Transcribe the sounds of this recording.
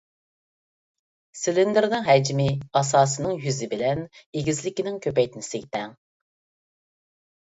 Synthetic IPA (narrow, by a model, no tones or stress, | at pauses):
sɪlɪnd̪ɪɾnɪŋɦɛd͡ʒmɪɑs̬ɑːsɨnɨŋjyzɪbɪlɛneɡʲizlɪkʲinɪŋkʲʰøpɛjt̪ʰɪnɪsɪɡʲɪt̪ɛŋ